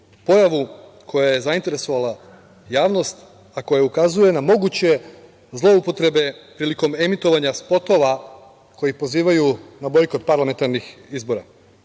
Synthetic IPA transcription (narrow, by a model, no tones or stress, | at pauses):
po̞jaʋu | kʰo̞jaje̞zaint̪eɾe̞so̞ʋala | jaːʋno̞st̪ | ako̞jaukazuje̞namo̞ɡut͡ɕe̞ | zlˠo̞upo̞t̪ɾe̞be̞pɾiːliko̞me̞mit̪o̞ʋaɲaspo̞t̪o̞ʋa | ko̞jipo̞ziːʋajunabo̞jko̞t̪paɾlˠame̞nt̪aɾnixizbo̞ɾa